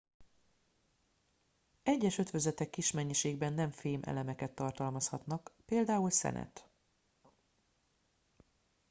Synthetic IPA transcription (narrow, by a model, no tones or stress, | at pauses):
ɛɟːɛʃø̞t̪ʋøzɛt̪ɛkːiʃmɛɲːiʃeːɡ̚bɛnːɛɱfeːmʔɛ̰lɛmɛkɛt̪ːɒrt̪ɒlmɒshɒt̪nɒkpeːld̪aːulsɛ̰nʔɛ̰t̪